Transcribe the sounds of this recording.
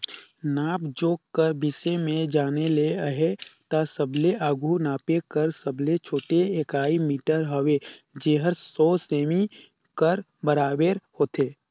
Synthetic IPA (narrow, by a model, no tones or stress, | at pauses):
naːpd͡ʒoːkkəɾbʱɪsemẽd͡ʒaːneleəɦet̪asəbleʔaːɡʱunaːpekəɾsəblet͡ʃʰoːʈeeːkaːimiːʈəɾɦəʋed͡ʒeːɦəɾsɔːseːmi | kəɾ | bəɾaːbeːɾhoːt̪eː